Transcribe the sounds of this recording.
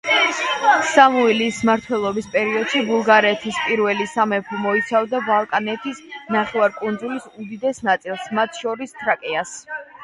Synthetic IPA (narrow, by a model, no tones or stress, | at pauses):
samuilismaɾt̪ʰwɛlˠɔbispʼɛɾiɔd̪̥ʃibulˠɡaɾɛt̪ʰispʼiɾvɛlisamɛpʰɾimɔit̪sʰavd̪abalˠkʼanɛt̪ʰisnaχɛvaɾkʼund̪zulisud̪id̪ɛsnat̪sʼilˠsmat̪ʰʃɔɾist̪ʰɾakʼɛas